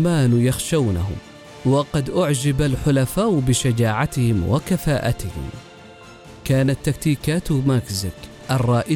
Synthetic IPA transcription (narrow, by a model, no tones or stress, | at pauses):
maːnjaxʃawna̰hʊ̰m | wɑqɑd̪ʔʊʕd͡ʒɪbalħʊlafaːʔʊbɪʃad͡ʒaːʕat̪ɪhɪmwa̰kafaːʔat̪ɪhɪ̰m | kaːnat̪ːak̚t̪iːkaːt̪makzɪk | ʔɑrˤːɑːʔɪ